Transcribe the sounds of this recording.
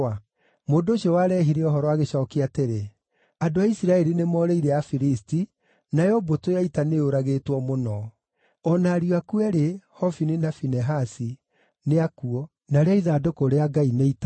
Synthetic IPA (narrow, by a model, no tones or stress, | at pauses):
a | moːndoːʃiɔwaɾɛːɦiɾeɔɦɔɾɔaɣeɕɔːkeateɾe | adoaisiɾaɛɾinemɔːɾeiɾɛafiɾisti | najɔbotojaitaneoɾaɣeːtwɔmonɔ | ɔnaɾiakuɛɾehɔfininafinɛɦasi | neakuɔ | naɾeaiðaːdokoɾeaɡaineita